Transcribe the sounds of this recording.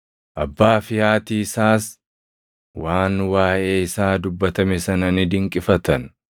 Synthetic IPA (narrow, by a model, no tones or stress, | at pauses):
ʔɐbːaːfɪjaːt̪iːɪsaːs | waːnwaːʔe̞ːɪsaːd̪ʊbːɐt̪ɐmɛsɐnɐnɪd̪ɪŋkʼɪfɐt̪ɐn